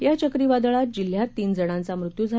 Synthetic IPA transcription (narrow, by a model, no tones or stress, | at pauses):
jat͡ɕəkɾiːʋad̪ɭat̪̚d͡ʑil̤jat̪ːiːnd͡zəɽ̃ãnt͡samɾut̪juːd͡zʱa